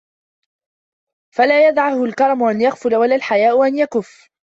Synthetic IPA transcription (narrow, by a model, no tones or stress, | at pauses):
falaːjad̪ʕahʊlkɑɾˤɑmʊʔanjaɣfʊlawalaːlħajaːʔʊʔanjakʊfː